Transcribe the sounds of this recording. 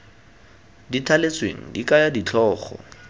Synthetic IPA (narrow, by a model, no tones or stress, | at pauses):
ditʰalet͡sʼwḛŋ̩dikʼajadit͡ɬʰɔːχɔ̰